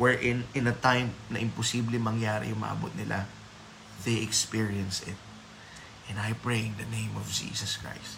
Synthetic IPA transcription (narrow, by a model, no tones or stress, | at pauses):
wɛɹʔɪ̃nʔɪ̃nɐt̪ãjmnɐʔɪ̃mposiblɪŋmɐŋjaːɾɪ̰jʊŋmɐ̰ʔɐ̰bo̰t̪̚nɪlʔa̰ | ðejɛkspiɹiɐ̃nsɪt̪̚ | ʔɛ̃najpɹejɪ̃nd̪ɐnẽj̃mɔvd͡ʒḭːsɐskɹa̰jst̪